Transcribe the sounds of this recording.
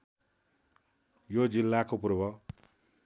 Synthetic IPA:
jod͡zilːakopurbʱʌ

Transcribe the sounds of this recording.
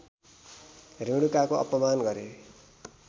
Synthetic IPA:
riɽukakoʌ̰pʌmanɡʌɾe

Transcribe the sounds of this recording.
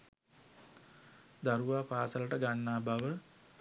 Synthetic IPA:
d̪aɾuʋaːpaːsələʈəɡanːaːbaʋə

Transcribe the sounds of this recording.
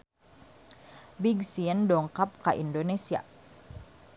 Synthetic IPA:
biɡsiəndɔŋkap̚kaʔḭndonesia̰

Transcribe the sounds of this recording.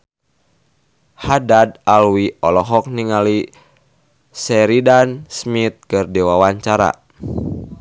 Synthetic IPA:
hadadalwiɔlɔɦɔk̚niŋali | sɛɾidansmit̪̚kɨrdɛwawaɲt͡ʃaɾa̰

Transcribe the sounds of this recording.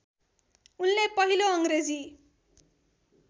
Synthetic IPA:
unlepʌɦiloʌŋɡɾed͡zi

